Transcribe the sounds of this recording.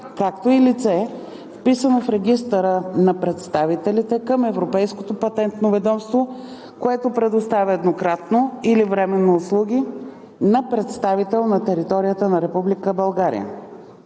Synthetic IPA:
kakt̪oilit̪sɛ | fpisənofɾɛɡ̟ʲist̪əɾənɐpɾɛt̪st̪avit̪ɛlit̪ɛkəmɛvɾopɛjsko̥t̪opɐt̪ɛnt̪novɛd̪ɔmst̪vo | koɛt̪opɾɛd̪ost̪avʲəɛd̪nokɾat̪noilivɾɛmɛnːoːslˠuɡ̟ʲi | nɐpɾɛt̪st̪avit̪ɛlˠnɐt̪ɛɾit̪ɔɾijət̪ənɐɾɛpublikəbɐlˠɡaɾḭjə̰

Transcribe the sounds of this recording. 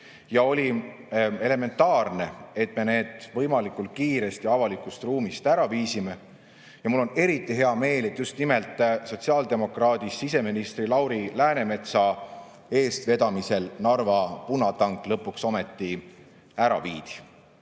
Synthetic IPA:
jɑo̞lʲi | e̞le̞me̞nt̪ːˑɑːrne̞e̞t̪ˑme̞ne̞ːd̪̥vɤjmɑlikːˑult̪̚kiːɾe̞st̪iɑvɑlikˑust̪ruːmist̪æɾɑviːsime | jɑmulːo̞ne̞ɾit̪ˑːiɦe̞ɑme̞ːle̞t̪ːjust̪nime̞lt̪ːˑso̞t̪ʲsiɑːld̪e̞mo̞krɑːd̪isːis̬e̞minist̪rilɑwɾilæːne̞me̞t̪sɑ | e̞ːst̪ve̞d̪ɑmise̞lnɑrvɑpunːɑt̪ɑŋkˑlɤpːˑuksome̞t̪ːi | æɾɑ̰viːd̪̥i̥

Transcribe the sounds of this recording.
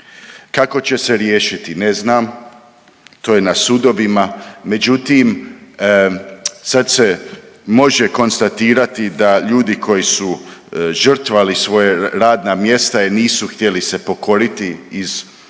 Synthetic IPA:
kako̞t͡ɕe̞se̞ɾjeːʃit̪ine̞znaːm | t̪oːjenasud̪o̞ʋimame̞d͡ʑut̪im | sad̪se̞mo̞ʒe̞ko̞nst̪at̪iːɾat̪id̪aʎuːd̪ikʰo̞jisuʒər̩t̪ʋalisʋo̞jeɾaːd̪namje̞st̪ainiːsuxt̪je̞lise̞po̞ko̞ɾit̪iiz

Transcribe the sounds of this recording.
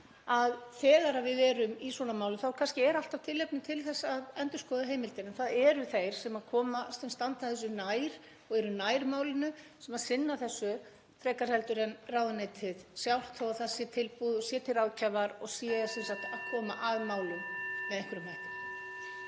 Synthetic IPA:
aðθɛːɣaɾaðvɪðɛːɾʏmiswɔːnamaːwlʏθawɾkʰanscɪɛɾal̥t̪av̥t̪ʰɪlːɛp̚nʏt̪ʰɪlθɛsːaaðɛnt̪ʏ̥skɔðaɦejmɪlt̪ɪɾɛnθaðɛɾʏθejɾ̥sɛmaðkʰɔːmasɛnst̪ant̪aθɛs̬ʏnajɾ̥ | ɔɣɛɾʏnajɾmaːwlɪnʏsɛmaðsɪnːaθɛsːʏ | t̪ʰɾɛːkaɾ̥hɛlt̪ʏɾɛnraːwðanejt̪ʰɪðsjawl̥t̪ʰɔɣaθaðsjɛt̪ʰɪlpuːðsjɛt̪ʰɪlaðcʰavaɾɔɣsiːsɛnsat̪akʰɔːmaʔaðmaːwlʏmmɛðɛŋkvɪɾʏmhahk̪ʏm

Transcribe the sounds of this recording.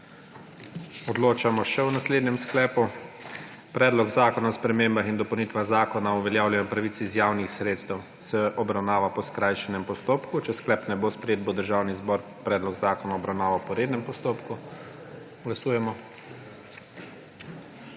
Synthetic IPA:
ɔd̪loːt͡ʃamɔʃɛwnasleːd̪nɛmsklɛːpu | pɾɛːd̪lɔɡzaːkɔnaɔspɾɛmeːmbaxind̪ɔpɐwnit̪ʋaɣzaːkɔnauʋɛljaːwljɛnɔpɾaʋit̪sizjaːwnixsɾeːt̪st̪ɛw | sɛʔɔbɾawnaːʋapɔskɾaːjʃɛnɛmpɔst̪oːpkut͡ʃɛsklɛpnɛbospɾɛjeːt̪̚bod̪əɾʒaːwnizbɔːɾ | pɾɛːd̪lɔɡzaːkɔnaɔbɾawnaːʋapɔɾed̪nɛmpɔst̪oːpku | ɡlasuːjɛmɔ

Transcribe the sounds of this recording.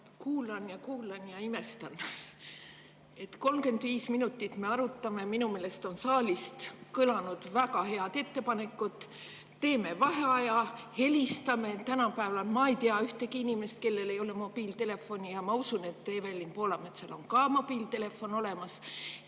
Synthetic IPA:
kuːlɑnjɑkuːlɑnjɑime̞st̪ɑn | e̞t̪ko̞lmke̞nd̪viːsminut̪ːit̪ˑme̞ɑɾut̪ːˑɑme̞minume̞ːlest̪o̞nsɑːlʲist̪kɯlɑnud̪̥vækɑhe̞ɑd̪̥e̞t̪ːe̞pɑne̞kːˑut̪ˑː | e̞ːme̞vɑɦeɑjɑhe̞lʲist̪ɑme̞t̪ænɑpæevɑlmɑejt̪eɑyht̪ekiinime̞st̪̚ke̞lːe̞le̞jo̞lemo̞b̥iːlt̪e̞le̞fːo̞nijɑmɑusune̞t̪ːeːvælʲːinpo̞ːlɑmet̪selo̞ŋkɑːmo̞b̥iːlt̪e̞le̞fːo̞no̞le̞mɑs

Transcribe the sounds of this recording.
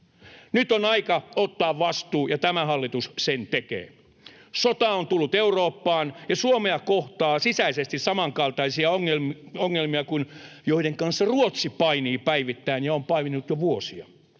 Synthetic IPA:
nyt̪onɑikɑot̪ːɑːʋʋɑst̪uːjɑt̪æmæhɑlːit̪ussent̪ekḛː | sot̪ɑont̪ulːut̪euroːpːɑːnjɑsuomeɑkoht̪ɑːsisæisest̪issɑmɑŋkɑlt̪ɑisiɑoŋːelmoŋːelmiɑkunjoideŋkɑnsːɑruot̪sipɑiniːpæiʋit̪ːæinjɑompɑiʋinːut̪joʋuosiɑ

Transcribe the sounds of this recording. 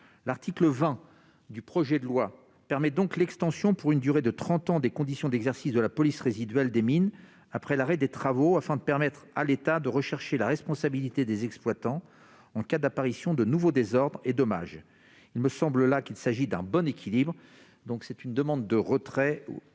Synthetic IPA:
laʁt̪ʰikləvɛ̃ | d̪ypχɔʒɛd̪əlwa | pɛʁmɛd̪ɔ̃klɛkst̪ɑ̃sjɔ̃puʁynd̪yʁed̪ət̪χɑ̃t̪ɑ̃d̪ekɔ̃d̪isjɔ̃d̪ɛɡzɛʁsisd̪əlapɔlisʁezid̪ɥɛld̪emin | apχɛlaʁɛd̪et̪χavoafɛ̃d̪əpɛʁmɛt̪χalet̪ad̪əʁəʃɛʁʃelaʁɛspɔ̃sabilit̪ed̪ezɛksplwat̪ɑ̃ | ɑ̃kad̪apaʁisjɔ̃d̪ənuvod̪ezɔʁd̪ʁed̪ɔma̰ʒ | ilməsɑ̃bləlakʲilsaʒid̪ɛ̃bɔnekʲilibʁ | d̪ɔ̃ksɛt̪ynd̪əmɑ̃d̪ːəʁət̪χɛ̰

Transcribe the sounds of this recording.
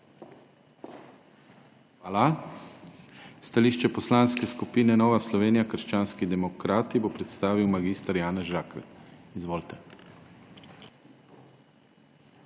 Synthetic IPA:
xʋaːla | st̪aliːʃt͡ʃɛpɔslaːnskɛskupiːnɛnɔːʋaslɔʋeːnijakəɾʃt͡ʃaːnskid̪ɛmɔkɾaːt̪ibopɾɛt̪st̪aːʋiwmaɡist̪aɾjaːnɛzʒaːkʋɛ̰t̪izʋoːlt̪ɛ

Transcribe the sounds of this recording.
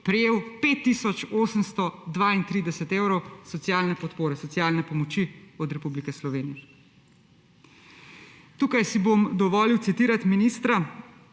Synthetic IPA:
pɾɛjeːwpeːt̪ːisɔt͡ʃoːsəmst̪ɔd̪ʋaint̪ɾiːd̪ɛsɛt̪eːwɾɔwsɔt̪sjaːlnɛpɔt̪poːɾɛsɔt̪sjaːlnɛpɔmɔt͡ʃiɔd̪ɾɛpublikɛslɔʋeːnijɛ | t̪uːkajsibomd̪ɔʋɔliwt̪sit̪iːɾat̪miniːst̪ɾa

